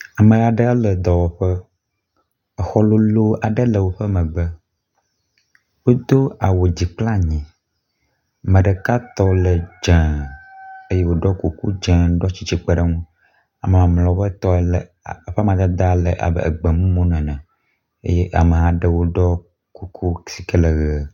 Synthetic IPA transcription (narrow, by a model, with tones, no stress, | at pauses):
a˨mə̃˨ɣa˨ɖə˦ə˦lə˨d̪ɔ˨wɔ˨ɸə˦ | ə˨xɔ˦lo˦lo˦a˨ɖə˦lə˨wo˦ɸə˦mə̃˨ɡ͡bə˦ | wo˦d̪o˦a˨wo˨d͡ʑi˨k͡pla˦ɲĩ˨ | mə̃˨ɖə˨ka˦t̪ɔ˦lə˨d͡ʒɛ̃˨ | e˦je˦wo˦ɖɔ˦ku˨ku˦d͡ʒɛ̃˦ɖɔ˦t͡ɕi˨t͡ʃi˨k͡pə˦ɖə˦ŋũ˦ | a˨mə˨mã˨mlɔ˨ɸɛ˦t̪ɔ˦l | ɸɛ˦mã˨d̪a˦d̪a˦lə̰˨ʔa̰˨bə̰˦˨ə̰˨ɡ͡bə˨mũ˦mõ˦nɛ̃˨nɛ̃˨ | ḛ˦je˦ʔa˨mə˨ɦã˦ɖə˦wo˦ɖɔ˦ | ku˦kʰu˦si̥˨kə˦lə˨ɣɛ˨